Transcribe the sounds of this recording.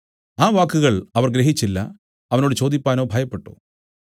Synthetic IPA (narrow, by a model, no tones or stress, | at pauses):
aːʋaːkːuɣɐɭɐʋɐrɡɾeɦit͡ɕːilːɐ̰ | ɐʋɐno̞ːɽɨt͡ɕo̞ːd̪ipʲːaːno̞ːbʱɐjɐpːe̞ʈːṵ